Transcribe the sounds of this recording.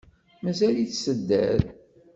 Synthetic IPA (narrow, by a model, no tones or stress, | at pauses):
mæzæliθsəd̪ːæ̰ð